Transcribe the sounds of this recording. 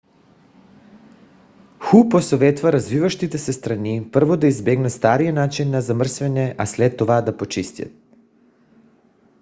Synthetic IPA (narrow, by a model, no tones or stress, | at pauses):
xuposovɛt̪vaɾazvivaʃt̪it̪ɛsɛst̪ɾanipr̩vod̪aizbɛɡnɛst̪aɾijanat͡ʃinːazamr̩svɛnʲɛʔaslɛt̪̚ːovad̪apot͡ʃist̪ja̰t̪̚